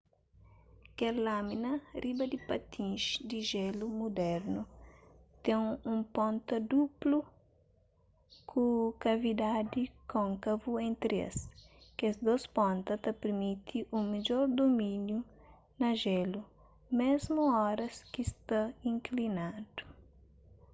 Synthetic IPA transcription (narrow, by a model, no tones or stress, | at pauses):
kɛɾlaminɐribɐd̪ipɐt̪ʰĩʃd̪iʒɛlumud̪ɛɾnu | t̪ɛ̃ŋũmpõnt̪ɐd̪uplu | kʰukɐvid̪ad̪ikõŋkɐvuẽnt̪ɾiɐ̰skezd̪ospɔ̃nt̪ɐt̪ɐpeɾmit̪ʰiʔumed͡ʒɔɾd̪omĩnju | nɐʒɛlu | mezmuɔɾɐskist̪ɐĩŋklinad̪̥u̥